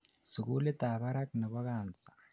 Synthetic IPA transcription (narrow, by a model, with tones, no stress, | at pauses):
si˨ku˦lɛ˦t̪a˨βa˦ɾa˦kna˨βa˦kaː˨nd͡zḁ˨